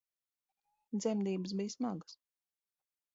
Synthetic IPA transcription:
d̪zʲɛmd̪iːbəsbijsmaɡəs

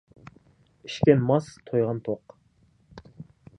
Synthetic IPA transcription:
i̥ʃkʲɛnmɑst̪ʰojʁɑnt̪ʰoq

